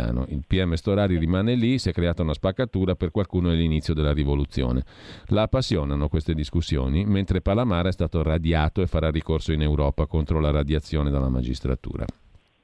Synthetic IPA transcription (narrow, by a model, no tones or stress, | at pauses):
a̰ːno̰ʔilpiɛmːest̪oɾaːɾirimaːnelisiɛkːɾeaːt̪aunaspakːat̪uːɾaperkwalkuːnoɛlːinit̪sːjod̪elːaɾivolut̪sːjo̰ːnḛ | laːpːasːjoːnanokwest̪ed̪iskusːjo̰ːniment̪ɾepalamaːɾɛst̪aːt̪orad̪jaːt̪oefaɾarːikorsoinewɾɔːpakont̪ɾolaɾad̪jat̪sːjoːned̪alːama̰d͡ʒḭst̪ɾa̰t̪ṵːɾa̰